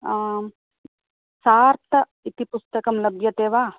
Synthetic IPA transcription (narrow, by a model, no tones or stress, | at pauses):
saːɾt̪ɐ | it̪ipust̪ɐkɐmlɐbjɐt̪eːʋaː